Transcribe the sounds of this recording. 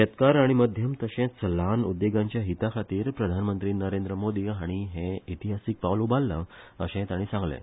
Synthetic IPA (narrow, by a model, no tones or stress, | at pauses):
ɕet̪kaɾaɽ̃iməd̪ʱjəmt̪əɕẽt͡səlanud̪ːeɡãɲt͡ɕjaɦit̪akʰat̪iːɾpɾəd̪ʱanmənt̪ɾiːnəɾend̪ɾəmod̪iːaɽ̃iɦẽit̪iɦasik̚paʋlubalːə̰əɕẽt̪aɽ̃ĩːsãŋɡlḛ̃